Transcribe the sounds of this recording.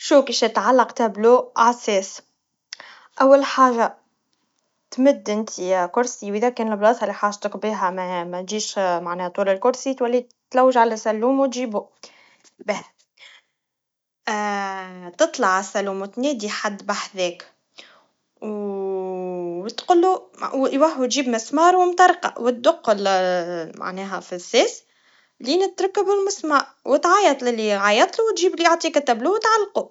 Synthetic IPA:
ʃuːkiʃt̪ʕalːɑqt̪æbluːʕasɛːs | ʔæwːalħaːʒa | t̪mʊd̪ːʔɪnt̪ʰikʊɾsiwʔiðækɛːnɪlblɑːshælːiħaːʒt̪əkbiːɦæmæmɛt̪ʒiːʃmaʕnɛːht̪ˤuːlɪlkʊɾsit̪wælːi | t̪læwːəʒʕalæsælːuːmwt̪ʒiːbu | beh | t̪ɨt̪ˤlɑʕasælːuːmwt̪nɛːd̪iħad̪ːbaħðɛːk | w | wt̪qʊlːuwwaħwt̪ʒiːbmɪsmɑːɾˤwɪmt̪ɑɾˤqɑ̰wɪt̪̚d̪ʊqːʊl | ma̰ʕnɛːɦɛfisːɛːs | liːnɪt̪ɾˤɑkːɪbɪlmʊsmaʕwɪt̪ʕajɑt̪ˤlɪlːiʕajɑt̪ˤluwt̪ʒiːblioʕt̪ˤiːkæt̪ːæbluwt̪ʕalːqu

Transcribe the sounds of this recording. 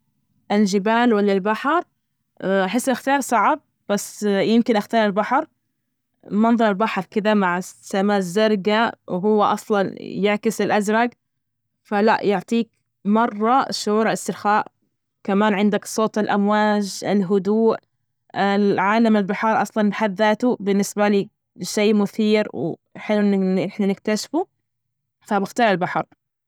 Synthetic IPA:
ʔɪlʒɪbaːlwalːalbaħɾˤ | ʔaħɪsːʔaxt̪ɑːɾˤsˤɑʕab̚ | b̥asːjɪmkɪnʔaxt̪ɑːɾˤɪlbaħɾˤ | mɑnðˤɑɾˤɪlbaħɾˤkɪd̪amaʕsamaːzːɑɾˤɡawɦʊwːaʔɑsˤlɑnjɪʕkɪsɪlʔazɾˤɑɡ | fala̰ʔjʊʕt̪ˤiːk̚ | mɑrˤːɑʃʊʕuːɾaɪst̪ɪɾxaːʔ | kamaːnʕɪnd̪aksˤoːt̪ˤɪlʔamwaːd͡ʒɪlɦʊd̪uːʔ | ɪlʕaːlamɪlbɪħɑɾˤʔɑsˤlɑnħaðːaːt̪ubɪnːɪsbaliː | ʃeːmʊθiːɾwħɪlːuʔnːʔɪħnanɪkt̪aʃfu | fabɪxt̪ɑːɾˤɪlbaħɑɾˤ

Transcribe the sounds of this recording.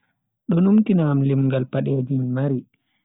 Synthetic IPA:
ɗɔnumtinaːmlimɡalpaɗeːd͡ʒinmaɾi

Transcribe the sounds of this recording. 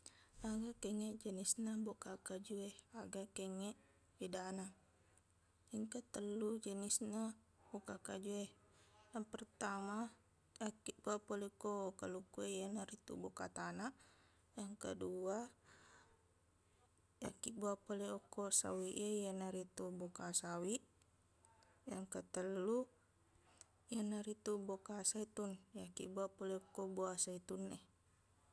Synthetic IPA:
aɡakɛŋɛʔd͡ʒənisnabokakad͡ʒuehaɡakɛŋɛʔ | idana | jaŋkət̪əlːud͡ʒənisna | bokakad͡ʒueh | jaŋpərt̪ama | jakiʔbuapolekokalukuejanaɾit̪ṵbokat̪anaʔ | jaŋkədua | ja̰kiʔbuapolɛɔkɔsa̰wiʔejanaɾit̪ubokasawi | jaŋkət̪əlːu | janaɾit̪ubokasait̪unjakḭbuapolɛokɔbuasait̪unːɛ

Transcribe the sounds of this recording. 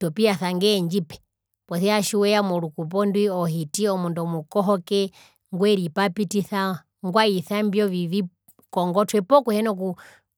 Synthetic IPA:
tɔpiaθaŋɡɛːɲd͡ʒipɛ̥ | pɔθɛaʃuwɛamɔɾukup̬ɔndwiɔɦitiɔmundɔmukɔɦɔkɛ | ŋɡwɛɾipapitiθa | ŋɡwaiθambjɔvivi | kɔŋɡɔtwɛpɔkuhɛnɔku

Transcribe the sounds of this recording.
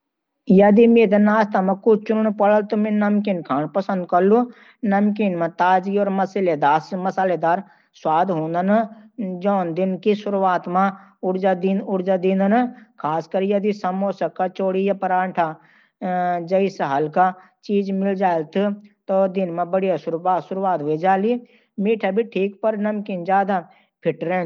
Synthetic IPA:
jɐd̪imeːd̪ənaːst̪ʰamãkʊt͡ʃt͡ʃʊnnpəɽəlt̪omẽnɐmkinkʰaːnpəsə̃nd̪̚kəlːu | nɐmkinmãt̪aːd͡ʒiɔːɾməsɪled̪aːsmɐsaːled̪aːɾ | swaːd̪ɦõːnd̪ənd͡ʒɔːnd̪ɪnkisʊɾwaːt̪mãʊɽd͡ʒad̪inʊɽd͡ʒad̪ĩːnd̪ənkʰaːskəɾjɐd̪isɐmoːsəkat͡ʃoːɽijapəɾãːɳʈʰa | d͡ʒəɪsɦɐlka | t͡ʃiːd͡ʒmɪld͡ʒaːlt̪ʰt̪oːd̪ɪnmẽbəɽijasʊɾasʊɾwaːt̪ɦed͡ʒaːli | miːʈʰabʱiʈʰiːk̚pəɾnɐmkiːnd͡ʒaːd̪a | pʰɪʈɾeː

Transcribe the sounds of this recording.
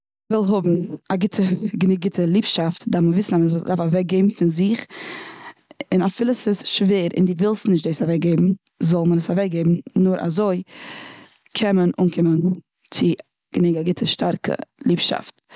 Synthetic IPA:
vɪlˠɦʊbm̩aɡɪtʰəɡəniːɡ̚ɡɪtəlˠiːpʃaftdaməvɪsn̩aədafavɛk̚ɡeɪbm̩fɪnzɪχ | ɪnafɪlˠəsɪsʃveːɾɪ̰ndɪvɪlˠstnɪʃ̬tdoɪsavɛk̚ɡeɪbm̩zɔlˠmənəsavɛk̚ɡeɪbm̩nʊɾʔa̰zoɪ | kʰɛmənṵnkʰɪmən | t͡sɪ | ɡ̥əniːɡaɡɪtʰəʃtaɾkʰə̰lˠiːpʃa̰ft

